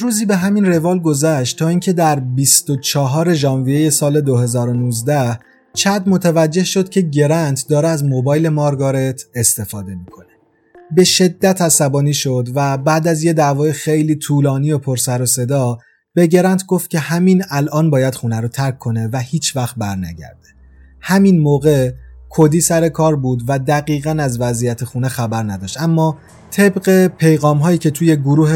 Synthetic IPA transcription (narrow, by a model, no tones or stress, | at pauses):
ɾuːziːbe̞ɦæminre̞vɒːlɡo̞zæʃt̪t̪ʰːɒːiːncʰe̞d̪æɾbist̪ot͡ʃʰɒɦɒːɾe̞ʒɒːnvijeje̞sɒːle̞d̪o̞ɦe̞zɒːɾo̞nuːzd̪æh | t͡ʃʰæd̪mo̞t̪ʰævæd͡ʒːe̞hʃo̞d̪̚cʰe̞ɟe̞ɾænt̪ʰd̪ɒːɾeæzmobɒːjle̞mɒːɾɡɒːɾe̞t̪ʰest̪e̞fɒːd̪emiːkʰo̞ne | be̞ʃe̞d̪ːæt̪ʰæsæbɒːniːʃo̞d̪væbæːd̪æzje̞d̪æːvɒːjexe̞jliːt̪ʰuːlɒːniːo̞pʰoɾsæɾose̞d̪ɒː | b̥e̞ɟe̞ɾænt̪ʰɡo̞ft̪̚cʰʲe̞hæmiːnælʔɒːnbɒːjæd̪̥xuːnæɾot̪ʰæɾkʰːo̞ne̞væhiːt͡ʃʰvæxt̪̚bæɾnæ̰ɟæ̰ɾd̪e | hæminmoːɣe̞kʰo̞d̪iːsæɾe̞kʰɒːɾbuːd̪væd̪æɣiːɣænæzvæzijæt̪ʰexuːnexæbæɾnæd̪ɒːʃt̪æmːɒː | t̪ʰe̞bɢe̞pʰe̞jɣɒːmɦɒːjiːcʰe̞t̪ʰuːje̞ɡoɾuːhe